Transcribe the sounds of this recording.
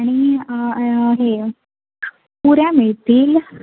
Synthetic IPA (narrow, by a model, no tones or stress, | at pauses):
aɽ̃i | ɦe | puɾjãmiɭt̪iːl